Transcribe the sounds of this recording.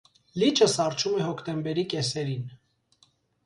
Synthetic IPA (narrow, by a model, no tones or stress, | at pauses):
lit͡ʃʰəsɑrt͡ʃʰumɛhɔkʰt̪ɛmbɛɾikɛsɛɾin